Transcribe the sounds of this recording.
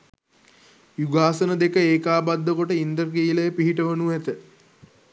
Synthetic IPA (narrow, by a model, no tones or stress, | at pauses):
juɡaːsənəd̪ekəeːkaːbad̪ːəkoʈəind̪ərɡiːləjəpiɦiʈəʋənuæt̪ə